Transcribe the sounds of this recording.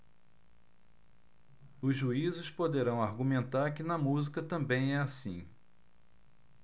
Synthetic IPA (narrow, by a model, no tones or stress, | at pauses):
ʊzʒuizʊspod̪eɾɐ̃w̃aɾɡumẽnt̪aɾkɪnɐmuzikɐt̪ɐ̃mbẽj̃ɛasĩ